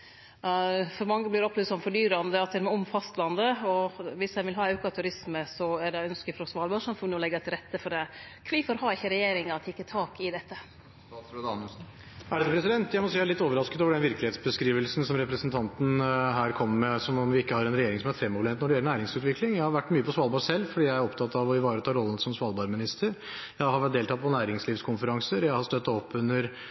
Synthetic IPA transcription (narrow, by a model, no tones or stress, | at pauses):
fɔɾmɑŋːəblɪɾɔplʉːst̪ɔmfɔɖyːɾɑnd̪əɑt̪ɛmɛɔmfɑst̪lɑnd̪əɔʋɪsjæɪʋɪlɦɑːʉːkɑt̪ʰʉɾɪsməsɔæɖɛœnskəfɔɾɔsʋɑːlbɑʂɑnfɔnɔlɛɡɑt̪ɪlɾɛt̪ːəfɔɖɛ | kʰʋifɔɾhɑɪçːəɾɛjeːɾɪŋɑt̪ʰɪkːət̪ʰɑːkɪd̪ɛt̪ːə | d̪ɑn | æɖɛɛpʰɾɛsɪd̪ɛnt̪jæɪmɔsiːælɪt̪ːoːʋəɾɑskət̪oːʋəɖɛnʋɪɾklɪheːt̪sbəskɾiːʋəlsn̩sɔmɾɛpɾəsənt̪ʰɑnt̪n̩ɦæːɾkʰɔmːmɛsɔmɔmʋɪɪkːəhɑɾɛnɾɛjeːɾɪŋsɔmæɾfɾɛmːɔʋlɛnt̪nɔɖɛjɛlːənæːɾɪŋsʉːt̪ʋɪklɪŋjæɪhɑɾʋæʈːmyːəpʰɔsʋɑlˠbɑsɛlːfɔɖiːjæɪæɾɔpt̪ʰɑt̪ːɑʋɔɪʋɑːɾət̪ʰɑːɾɔlːənsɔmsʋɑːlˠbɑɾmɪnɪst̪əɾ | jæɪhɑɾʋæʈ̚d̪eːlt̪ʰɑːt̪̚pʰɔnæːɾɪŋsliːʋskʰʊnfəɾɑŋsəɾjæɪhɑst̪œt̪ːɑɔpːʉnːəɾ